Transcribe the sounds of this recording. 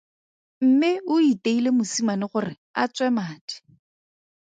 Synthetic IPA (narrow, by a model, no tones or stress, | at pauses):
m̩mɪʊiteilemʊsimanɪχʊrɪ | a̰t͡sʼwɛmaːtɪ̥